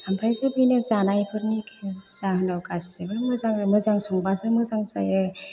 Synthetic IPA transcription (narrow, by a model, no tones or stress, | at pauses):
ampʰɾajzɯbɯjnɯzanajpʰɯɾnikʰaz̥ahɯnawkasibɯmɯzaŋmɯzaŋsɔŋbasɯmɯzaŋza̰jɯ